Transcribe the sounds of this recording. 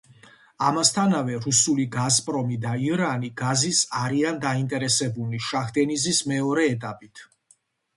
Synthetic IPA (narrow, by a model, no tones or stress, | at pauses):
amast̪ʰanavɛɾusuliɡazpʼɾɔmid̪aiɾaniɡazisaɾiand̪aint̪ʼɛɾɛsɛbuliʃaχd̪ɛnizismɛɔɾɛːt̪ʼapʼit̪ʰ